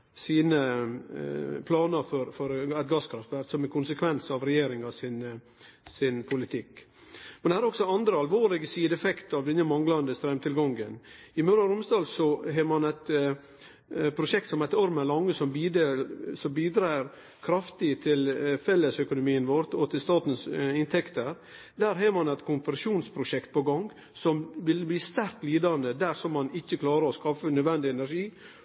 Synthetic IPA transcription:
siːnə | pʰlɑːnəɾfɔɾfɔɾæɪt̪ɡɑskʰɾɑft̪ʋæɾksɔmɛkʊnsəkʰʋɛnsɑʋɾɛjeːɾɪŋɑsɪn | sɪnpʰʊlɪt̪ʰɪkː | mɛnɛhæːɾɔksɔɑnd̪ɾəɑlʋoːɾlɪɡəsiːd̪ɛfɛkt̪ɑʋd̪ɛnːəmɑŋɡlɑnd̪əst̪ɾɛmt̪ʰɪlɡɑŋɡən | ɪmœɾɑɾʊmsd̪ɑːlsɔɦeːmɑnæt̪ | pʰɾʊʂɛk̚t̪sɔmæɪt̪ɔɾmælɑŋːəsɔmbiːd̪sɔmbiːd̪ɾæːɾ | kʰɾɑft̪ɪt̪ʰɪlfɛlːəsœkʊnʊmiːənʋɔɾt̪ɔt̪ʰɪlst̪ɑːt̪n̩sɪnt̪ʰɛkt̪əɾ | d̪æɾɦeːɾmɑnɛt̪kʰʊmpəɾʂuːnspʰɾʊʂɛkt̪̚pʰɔɡɑŋɡ | sɔmʋɪlbliːst̪æɾkt̪liːd̪ɑnd̪əd̪æɾsɔmːɑnɪçːəkʰlɑːɾəɾɔskɑfənœd̪ʋɛnd̪ɪɛnæɾʂiː

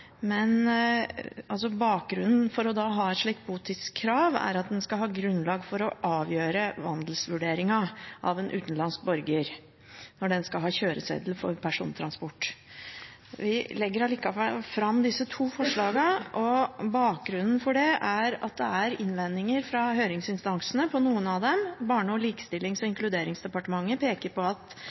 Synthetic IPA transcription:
mɛn | ɑls̬ɔbɑːk̚ɡɾʉnːn̩fɔɾɔd̪ɑːɦɑːɛt̪ʂɭiːk̚t̪̚buːt̪ʰɪt̪skʰːɾɑːʋæ̰ɾɑt̪̚d̪ɛnskɑɦɑːɡɾʉnːlɑːɡfɔɾɔʔɑːʋjøːɾəʋɑnd̪lsʋʉɖeːɾɪŋɑʔɑ̰ʋɛnʔʉ̰ːt̪n̩lɑnsk̚bɔɾɡəɾ | nɔɖɛnskɑɦɑːɕøːɾəsḛːd̪l̩fɔɾpʰæʂṵːnət̪ʰɾɑnspɔʈː | ʋɪlɛɡːəɾɑliːkɑʋɛlfɾɑmːd̪ɪsːət̪ʰuːfɔʂɭɑːɡɑʔɔbɑːk̚ɡɾʉnn̩fɔɖɛæɾɑ̰t̪̚d̪ɛæɾɪnʋɛnɪŋəɾfɾɑɦøːɾɪŋsɪnst̪ɑŋsənəpʰɔnuːənɑd̪ɛmbɑːɳəɔliːkə̥st̪ɪlːɪŋsɔɪŋklʉd̪eːɾɪŋsd̪ɛpɑʈəmɑŋːəpeːkəɾpɔɑt̪

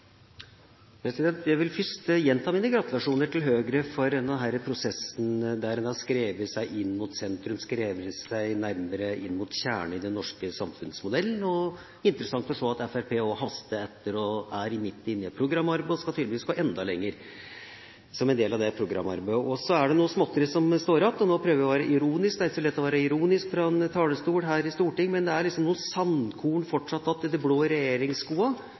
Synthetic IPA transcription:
pʰɾɛsɪd̪ɛnt̪jæɪʋɪlfʏʂʈjɛnt̪ʰɑːmiːnəɡɾɑt̪ʉlɑʂuːnəʈʰɪlɦøːɡɾəfɔɾd̪ɛnd̪ɛnɦæɾəpʰɾʊsɛsnd̪æɾɛnɑskɾeːʋəsæɪʔɪnːmʊt̪sɛnt̪ɾʉmskɾeːʋəsæɪnæɾməɾəɪnːmʊt̪çæːɳəɪd̪ɛnːɔʂkəsɑmfʉnsmʊd̪ɛlːən̩ɔ | ɪnt̪əɾəsɑŋt̪ɔʂoːɑt̪ɛfæɾpʰeːɔɦɑst̪əɛt̪ːəɾɔæɾɪmɪt̪ːɪnːɪəpʰɾʊɡɾɑmːɑɾbəɔskɑt̪ʰɪd̪əʋɪskɑʔɛnd̪ɑlɛ̰ŋːəɾ | sɔmɛnd̪eːlɑʋd̪ɛpʰɾʊɡɾɑ̰mːɑ̰ɾbæʔɔsɔæɖɛnuːəsmɔt̪ːəɾəsɔmst̪oːɾɑp̪ːɔnoːpʰɾøːʋəʋɪɔʋæːɾəʔɪɾuːnɪsk̚d̪ɛæɾɪçəsɔlɛt̪ːɔʋæːɾəɪɾuːnɪskfɾɑɛnt̪ʰɑːləst̪uːɽɦæːɾɪst̪uːʈɪŋːmɛnd̪ɛæɾɭɪksɔmnuːəsɑnkʰuːɳfɔʈʂɑt̪ːɑt̪ːɪd̪ɛbloːɾɛjeːɾɪŋskuːɑ

